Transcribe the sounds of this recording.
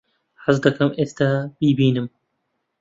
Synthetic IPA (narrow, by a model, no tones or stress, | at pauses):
ħazd̪ɐkɐmʔeːst̪ab̥iːbiːnɨm